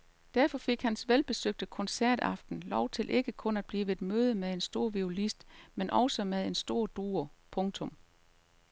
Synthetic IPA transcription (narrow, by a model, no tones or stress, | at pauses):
d̥æɐfɒ̽fe̝ɡ̥hænsʋelb̥e̝søɡ̥̚d̥əkʰɒ̽nsæɐ̰d̥ɑ̈fd̥n̩lɒʊt͡sʰe̝lʔe̝ɡ̥əkʰɔ̽næd̥̚b̥liːʋed̥møːð̞ˠəmeðˠe̝nsd̥o̝ɐ̰ʋiolisd̥menʔɒ̽ʊsəmeðˠe̝nsd̥o̝̰ɐ̰d̥uːɐpʰɔ̽ŋt͡sʰɔ̽m